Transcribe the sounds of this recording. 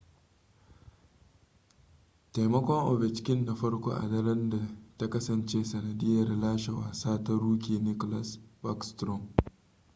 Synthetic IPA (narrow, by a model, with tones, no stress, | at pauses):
ta˨jmɐ˦kʷɔ˦ŋʔo˨vɛ˨t͡ʃɪ̥˦kʲɪ˦nːa˨ɸɐ˦ɽkʷo̰ː˦ʔa̰˨dɐ˦ɾɐ˦nda˨ta˦kɐ˦sɐ˨nt͡ʃeː˦sɐ˨nɐ˨dɪ˦jɐ˨rlaː˦ʃe˨wa̰ː˨saː˦tɐ˦ɾuː˦kʲiː˨nɪ˦ko˦la˨sba˦kstɾɔ˦m